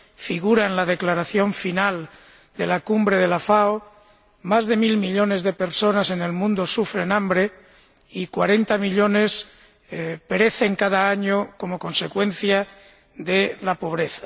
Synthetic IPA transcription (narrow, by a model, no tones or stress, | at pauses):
fiɣ̞uɾaenlaðe̞klaɾaθjo̞ɱfinal | d̪e̞lakumbɾe̞ðe̞lafao | mazðe̞milmiʎo̞nezðe̞pe̞ɾso̞nase̞ne̞lmũnd̪o̞sufɾe̞nambɾe̞ | ikwaɾe̞nt̪amiʎo̞ne̞s | peɾe̞θe̞ŋkað̞aaɲoko̞mo̞ko̞nse̞kwẽ̞nθja | ðelapo̞β̞ɾe̞θḁ